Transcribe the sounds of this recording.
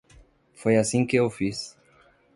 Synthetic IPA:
fojasĩkɪewfis

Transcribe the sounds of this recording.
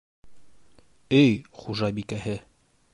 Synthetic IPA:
ɘjχuʒɑbikæhɘ

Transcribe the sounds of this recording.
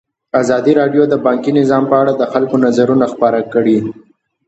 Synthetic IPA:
azɑd̪iɾɑɖjod̪əbɑŋkinɪzɑmpəaɽad̪əxalkonazaɾunaxpɑɾakəɽi

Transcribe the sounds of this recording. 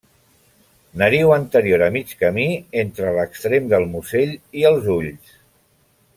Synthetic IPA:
nəɾiwənt̪əɾjoɾəmit͡ʃkəmient̪ɾələkst̪ɾemd̪əlˠmuseʎiəlˠzuʎs

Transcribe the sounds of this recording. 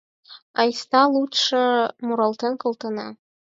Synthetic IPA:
ɑjst̪ɑlˠut̪ʂɤ̆muɾɤlˠt̪enkɤ̆lˠt̪ɤ̆nɑ

